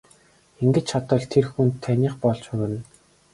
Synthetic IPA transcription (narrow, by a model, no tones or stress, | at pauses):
eŋɡɘ̆t͡ɕt͡ɕʰat̪ə̆ɮt̪ʰerxuntt̪ʰːænʲiːχpɔɮt͡ɕʊɾɘ̆n